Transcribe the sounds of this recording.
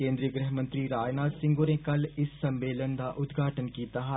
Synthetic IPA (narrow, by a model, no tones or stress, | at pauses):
kẽːnd̪ɾiːəɡɾəɦmə̃nt̪ɾiːɾaːd͡ʒnaːd̪sɪ̃ŋɡoːnẽːkəlɪsːəmeːlənd̪aːʔʊt̪ɡʱaːʈənkiːt̪aːɦ